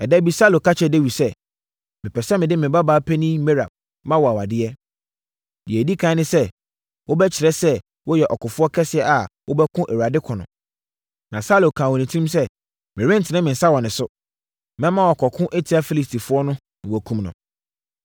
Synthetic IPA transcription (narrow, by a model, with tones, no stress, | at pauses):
ɛ˨dɛ˦bi˨sa˦lo˨kʰa˦t͡ɕʰɛ˨de˦wi˨sɛ˦˨ | mɪ̃˨pʰɛ˨sɛ˦mɪ̃˨dɪ˦mɪ̃˨ba˦baː˨˦pʰɛ˦nĩ˦me˦ɾa˨b̚ | mã˦wɔ˨a˨wa˨dɪ˦ɛ˦ | dɪ˨e˨di˦kʰã˦nɪ̃˦sɛ˦ | wʔo˦bɛ˦t͡ɕʰɪ˨ɾɛ˦sɛ˦ | wɔ˦jɛ˨ʔɔ˨kʰʊ˨fʊ˦ɔ˦kʰɛ˦sɪ˨ɛ˦ʔa˨wo˦bɛ˦kʰʊ̃˦ʔæ˨wu˨a˨dɪ˦kʰɔ̃˨nʊ̰̃˨ | nã˨saː˦lo˨kʰãː˨wɔ˨nĩ˨tʰĩ˦msɛ˦ | mɪ̃˨ɾɪ̃˦n̩˨tʰɪ˨nɪ̃˦mɪ̃˨n̩˨sa˦wɔ˨nɪ̃˨sʊ˦ | mɛ̃˦mã˦wɔ˨kʰɔ˨kʰʊ̃˦ʔe˦tʰi˨˦a˦fi˦li˨stʰi˨fʊ˦ɔ˦nʊ̃˦ | ñ˨wɔ˨kʰũ˦mnʊ̰̃˨